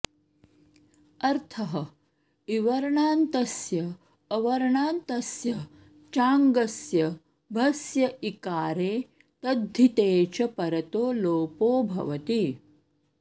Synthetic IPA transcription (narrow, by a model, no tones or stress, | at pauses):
ɐɾt̪ʰɐɦɐ | iʋɐɾɐɳaːnt̪ɐsjɐː | ʋɐɾɐɳaːnt̪ɐsjɐ | t͡ʃaːŋɡɐsjɐ | bʱɐsjɐʔikaːɾeː | t̪ɐd̪ʱːit̪eːt͡ʃɐpɐɾɐt̪oːloːpoːbʱɐ̰ʋɐt̪i